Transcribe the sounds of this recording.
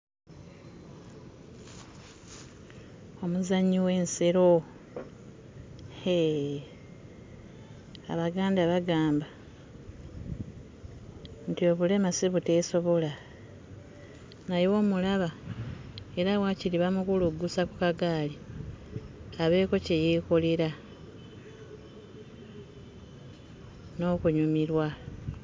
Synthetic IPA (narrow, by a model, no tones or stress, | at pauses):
o̞muzaɲiwe̞ːnseɾo̞ | e | a̰βaɡaːndaβaɡaːmba | ntio̞βule̞masiβute̞so̞βo̞la | najo̞ːmulaβa | e̞ɾawaciliβamukuluɡusakukaɡaːli | aβe̞ːko̞ce̞jekoliɾa | no̞kuɲumiɾwa